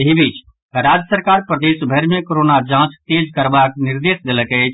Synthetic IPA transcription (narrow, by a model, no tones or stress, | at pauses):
ɦibit͡ʃ | ɾaːd͡ʒəsəɾkaːɾpɾəd̪eːsbʱəɾmẽkoɾoːnad͡ʒãːt͡ʃt̪eːd͡ʒkəɾbaːknɪɾd̪eːsd̪eləke